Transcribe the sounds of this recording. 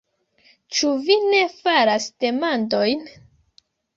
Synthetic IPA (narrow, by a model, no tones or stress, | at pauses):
t͡ʃuvine̞faɾasd̥e̞mando̞jn